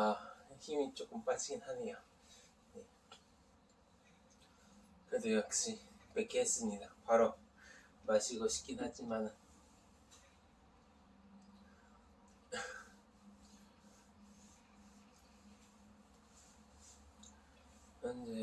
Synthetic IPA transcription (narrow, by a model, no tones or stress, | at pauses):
açimit͡ɕ͈ok͈ɯmpat͡ɕʰiɡinhaneja | je | kɯdojak̚ɕ͈ipek͈iɦes͈ɯmɲidapaɾo | maɕʰiɡoɕʰi̥k͈inɦad͡ʑimanɯn | mʌnd͡ʑe